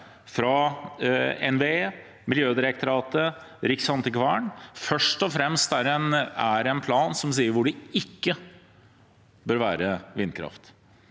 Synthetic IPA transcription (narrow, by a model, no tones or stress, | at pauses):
fɾɑ | ɛ̰nʋeeː | mɪljøːd̪ɪɾɛk̚t̪ʰʊɾɑːt̪ə | ɾɪksɑnt̪əkʰʋæːɳfœʂʈɔfɾɛmst̪æɾɛnæɾɛnpʰlɑːnsɔmsiːəɾʋʊɖɪɪkːə | bøːɾʋæːɾəʋɪnːkʰɾɑ̰ft̪